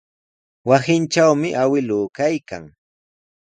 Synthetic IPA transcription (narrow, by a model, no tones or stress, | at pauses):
wasɪnt͡ʃawmɪʔawɪlʊːkajka̰ŋ